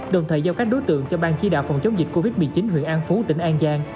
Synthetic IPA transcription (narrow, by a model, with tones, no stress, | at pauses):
ɗə˨˩wŋ͡mt̪ʰəː˨˩jzaː˧ka˦˥k̚ɗo˨˦jt̪ɨ̰˧˨əŋt͡ɕɔ˧ɓaː˧nt͡ɕi˧ɗa̰ː˧˨wfa̰˨˩wŋ͡mt͡ɕə˨˦wŋ͡mzi˨˩ko˧vi˦˥t̚mɨ˨˩t͡ɕi˨˦nɦwḭ˧˨ənʔaː˧nfu˨˦t̪ï˧˩ŋ̟ʔaː˧nzaː˧ŋ